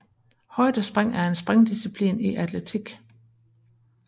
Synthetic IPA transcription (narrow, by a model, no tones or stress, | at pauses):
hɒ̽ɪ̰d̥ɐsb̥ʁaŋ̰æɐe̝nsb̥ʁaŋd̥isipʰlḭːniʔæd̥let͡sʰiɡ̥